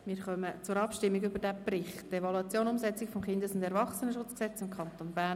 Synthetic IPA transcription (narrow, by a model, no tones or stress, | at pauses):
mɪːɾχœmət͡sʊɾɑpʃtɪmːiɡybəɾdɛbrɪχtevɑluɑt͡sjoːnʊmzɛt͡sɪkfomχɪnd̪əsʊnd̪ɛɾvɑχsənəʃʊt͡sksɛt͡sɪmkʰɑntonbæː